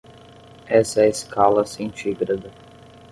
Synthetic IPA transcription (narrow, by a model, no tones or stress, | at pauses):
ɛsɐɛeskʰalɐsẽt͡ʃiɡɾad̪ɐ